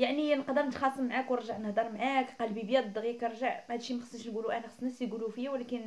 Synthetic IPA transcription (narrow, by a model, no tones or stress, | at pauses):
jaʕninəqd̪əɾnət̪xɑsˤəmːʕakwəɾˤʒaʕnəhd̪ɑɾˤmʕakqɑlbibjæd̪ˤɣjækɾˤʒaʕhæd̪ʃimæxəsˤəʃnɡuluʔænæxəsˤnæsjɡulufijːæwlækən